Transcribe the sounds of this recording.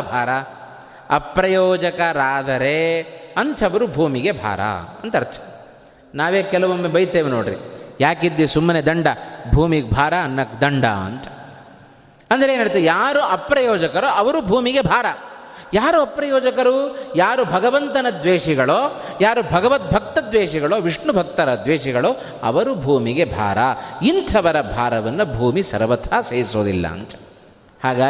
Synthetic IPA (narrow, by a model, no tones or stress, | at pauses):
bʱaːɾɐ | ɐpɾɐjɔːd͡ʒɐkɐɾaːd̪ɐɾeɐnt̪ʰɐʋɐɾubʱuːmiɡe̞bʱa̰ːɾɐ̰ɐ̰nt̪ɐɾt͡ʃʰɐ̥ | naːʋeːkɛlɐʋomːebɐjt̪ːeːʋinoːɽɾḭjaːkid̪ːisumːɐned̪ɐɳɖɐbʱuːmiɡ̚bʱaːɾɐːnːɐkd̪ɐɳɖa̰ɐ̰nt̪ɐ̥ | ɐnd̪ɐɾeːnːɐɽit̪ːjaːɾuʔɐpɾɐjɔːd͡ʒɐkɐɾoɐʋɐɾubʱuːmiɡe̞bʱaːɾɐjaːɾuɐpɾɐjɔːd͡ʒɐkɐɾujaːɾubʱɐɡɐʋɐnt̪ɐnɐd̪ʋeːʂiɡɐɭoːjaːɾubʱɐɡɐʋɐt̪̚bʱɐk̚t̪ɐd̪ʋeːʂiɡɐɭoːʋiʂɳubʱɐk̚t̪ɐɾɐd̪ʋeːʂiɡɐɭoː | ɐ̰ʋɐɾubʱuːmiɡe̞bʱa̰ːɾɐint̪ʰɐʋɐɾɐbʱaːɾɐʋɐnːɐbʱuːmisɐ̰ɾʋɐt̪ʰaːseːɾisoːd̪ḭlːɐ̰ɐ̰nt̪ɐ̥ | haːɡaː